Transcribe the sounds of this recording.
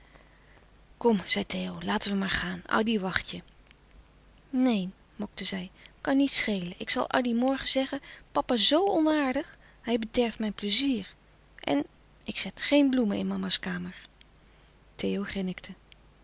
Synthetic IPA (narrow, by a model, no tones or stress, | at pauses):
kɔmz̥ɛjtejowlaːtəʋəmaːɹχaːnɑ̰diʋɑχtjə | nejn | mɔk̚təzɛjkɑnːitsχejlənʔɪksɑ̰lˠʔɑ̰dimɔɹχəzɛχəpɑpazowɔnaːɹdəχ | hɛjbədɛɹfmɛjnpləziːɹ | ʔɛ̰n | ɪksɛtχejnbluməɪ̰nmɑmaskaːməɹ | tejowχɪnɪktʰə